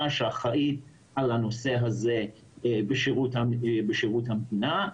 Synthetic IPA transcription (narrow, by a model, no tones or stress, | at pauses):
aʃeaχaʔit | alanoseɦaze | beʃiʁutabeʃiʁut̪hamdina